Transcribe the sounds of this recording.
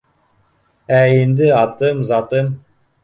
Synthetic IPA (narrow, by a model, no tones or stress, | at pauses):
æjind̪ɪɑt̪ɨmzɑt̪əm